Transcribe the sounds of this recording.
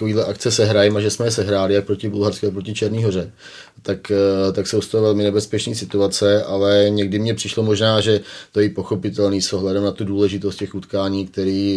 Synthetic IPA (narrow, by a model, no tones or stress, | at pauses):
koviːdlɛʔakt͡sɛsɛɦɾajɛmaʒɛsmɛjɛsɛɦɾaːlɪjak̚pɾocɪbulɦaɾskɪakpɾocɪt͡ʃɛɾniːɦo̞rɛ | t̪akt̪aksowst̪oovɛlmɪnɛbɛspɛt͡ʃniːsɪt̪uat͡sɛʔalɛɲɛɡdɪmɲɛpr̝̥ɪʃlo̞mo̞ʒnaːʒɛt̪ojɪpo̞xo̞pɪt̪ɛlniːso̞ɦlɛdɛmnat̪uduːlɛʒɪt̪ost̪̚cɛxut̪kaːɲiːkt̪ɛɾiː